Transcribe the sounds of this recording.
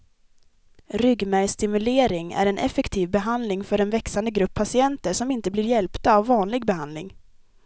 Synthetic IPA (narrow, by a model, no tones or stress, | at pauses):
ɾʏɡmæjst̪ɪmɵleːɾɪŋæ̰ɾɛnʔɛ̰fɛkt̪ʰiːvbɛɦand̪lɪŋfœɾɛnvɛksand̪əɡɾɵpʰːasɪɛnt̪əʂɔmɪn̪t̪əblɪːɾjɛlpt̪aːvːɑːnlɪɡbɛɦand̪lɪ̰ŋ